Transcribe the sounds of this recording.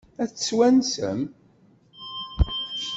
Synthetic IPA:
æθswænsə̰m

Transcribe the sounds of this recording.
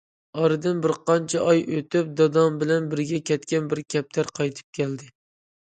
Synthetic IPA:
ɒɾɨd̪ɪnbɪɾqɑnt͡ʃʰɛʔɒjot̪ʰɪp̚d̪ɑd̪ɑmbɪlɛnbɪɾɡʲɛkʲʰɛt̪kʲanbɪɾ̚kʲʰɛp̚t̪ʰaɾqʰɑjt̪ʰɪ̥p̚kʲʰæld̪ɪ

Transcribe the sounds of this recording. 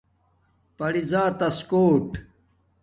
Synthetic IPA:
pɐɽizaːt̪ɐskoːʈ

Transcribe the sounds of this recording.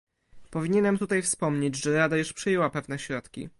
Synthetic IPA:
pɔvʲiɲɛnɛmt̪ut̪ajfspɔmɲed͡ʑʐɛɾad̪ajuʂpʂɘjɛwapɛvnɛɕɾɔt̪kʲḭ

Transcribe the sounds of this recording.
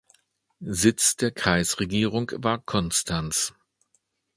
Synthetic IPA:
zɪt͡sd̥eːɐkʁ̥aɪsʁeɡiːʁʊŋvaːɐkʰɔnstʰans

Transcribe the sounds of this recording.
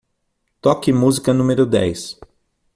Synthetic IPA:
t̪ɔkɪmuzikɐnũmeɾʊd̪ɛ̰js

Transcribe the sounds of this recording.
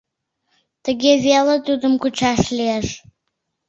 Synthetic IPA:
t̪əɡʲeβelə̆t̪ud̪əmkut͡ɕɑʃlieʃ

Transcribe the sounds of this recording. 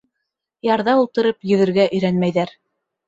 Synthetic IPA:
jɑɾðɑulˠt̪ɤ̆ɾɤpjɵ̆ðɘ̆ɾɡæʔɵ̆jɾænmæjðæɾ

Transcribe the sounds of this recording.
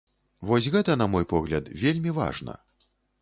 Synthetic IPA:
vɔsʲɣɛt̪ɐn̪ɐmɔjpɔɣlʲɐd̪vʲelʲmʲiva̰ʐnɐ̰

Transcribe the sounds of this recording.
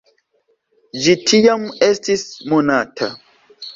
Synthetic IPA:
d͡ʒitʰijamestismunatʰa̰

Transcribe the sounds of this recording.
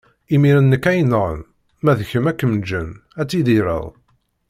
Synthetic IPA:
imiɾənːəkːæjnʁə̰n | mæðçəmækːəmd͡ʒənæt͡sːid̪iɾə̰ðˤ

